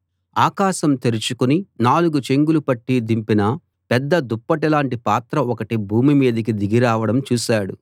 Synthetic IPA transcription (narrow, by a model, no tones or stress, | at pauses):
aːkaːʃɐmt̪eɾit͡ʃukuninaːluɡut͡ʃe̞ŋɡulupɐʈːid̪impinɐ | pɛd̪ːɐd̪upːɐʈɛlaːɳʈipaːt̪ɾɐɔkɐʈibʱuːmimiːd̪ɐk̬id̪iɡiɾaːʋɐɽɐmt͡ʃuːʃaːɽṵ